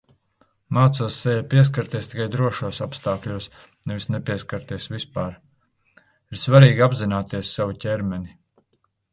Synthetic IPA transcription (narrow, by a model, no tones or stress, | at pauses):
maːt̪suɔsːɛjapʲiɛs̬kaɾt̪iɛst̪ikajd̪ɾuɔʃuɔsapst̪aːklʲuɔs | nɛvisnɛpʲiɛskaɾt̪iɛsvispaːɾ | iɾsvaɾiːɡʲiabzinaːt̪iɛsːavucʲɛɾmʲɛnʲi